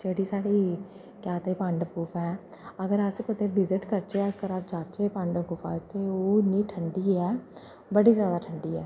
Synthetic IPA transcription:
d͡ʒeːɽiːsaːɽiː | kjaːt̪eːpãɳɖkuːfʰɛː | əɡəɾəspət̪eːʋɪzɪʈkəɾt͡ʃeːkəɾasd͡ʒaːt͡ʃeːpə̃ɳɖkʊpʰa̰ːt̪eːoːniːʈʰəɳɖiːɛː | bəɽiːzjaːd̪aːʈʰəɳɖiːɛː

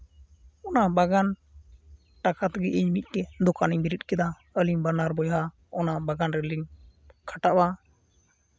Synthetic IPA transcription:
ɔnabaɡan | ʈakat̪ɡɛʔiɲmic̪̚ˀkɛd̪ɔkaniɲbiɾit̪̚kɛd̪a | əlimbanaɾbɔjɦa | ɔnabaɡanɾɛəlim | kʰaʈaʔba

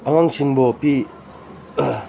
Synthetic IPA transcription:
aŋaŋsʰiŋbopi

